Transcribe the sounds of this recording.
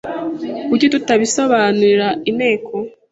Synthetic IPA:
kuɾɟitutaβiso̞βaːnuɾiɾaine̞ːkʰo

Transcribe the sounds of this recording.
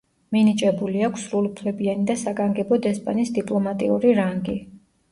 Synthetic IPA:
minit͡ʃʼɛbuliakʷʰsɾulˠupʰlɛbianid̪asaɡaŋɡɛbɔd̪ɛspʼa̰nisd̪ipʼlˠɔmat̪ʼḭuɾiɾaŋɡi

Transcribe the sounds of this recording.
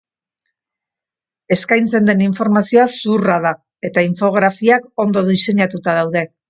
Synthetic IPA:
e̞skajnt͡se̞nd̪e̞niɱfo̞ɾmasio̞asuraða | e̞t̪aiɱfo̞ɣ̞ɾafiako̞nd̪o̞ðise̞ɲat̪ut̪að̞awðe̞

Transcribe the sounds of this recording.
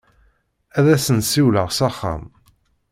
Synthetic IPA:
æðæsənsiwləʁsɑχːa̰m

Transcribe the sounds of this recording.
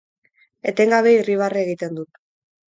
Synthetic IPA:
e̞t̪e̞ŋɡaβe̞iriβ̞arieɣ̞it̪e̞nd̪ut̪

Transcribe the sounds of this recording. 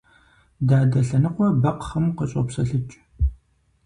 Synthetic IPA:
daːdɐɬɐnɨqʷɔbɐqχɐmqəɕʼo̰psɐɬɨt͡ʃʼ

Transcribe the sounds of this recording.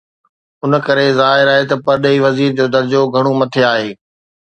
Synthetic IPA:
ʊnkɐɾezaːɦɪɾaːɦet̪ɐpɐɾɗeiʋɐziːɾd͡ʑoːd̪ɐɾd͡ʑoɡʱɐɽ̃omɐt̪ʰeaːɦeː

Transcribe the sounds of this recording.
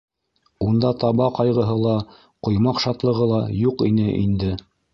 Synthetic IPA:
und̪ɑt̪ɑβɑqɑjʁɤ̆ɦɤlˠɑ | qŏjmɑqʃɑt̪lˠɤ̆ʁɤlˠɑjuqinɘʔḭnd̪ɘ

